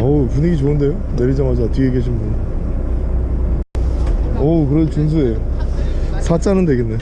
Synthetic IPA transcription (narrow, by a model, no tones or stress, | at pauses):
ʌpuɲiɡit͡ɕoɯnde̞jo | neɾid͡ʑamad͡ʑatʰiɡekeɕʰinbun | ʌkɯɾet͡ɕuns̬ʰue̞o | sʰat͡ɕ͈anɯndeɡenːe